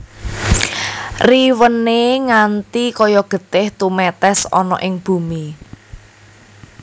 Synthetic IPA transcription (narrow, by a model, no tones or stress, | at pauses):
riwənːeŋant̪ikɔjɔɡ̥ə̤t̪ɪht̪umɛt̪ɛsɔ̰nɔ̰ʔɪŋb̥ṳmi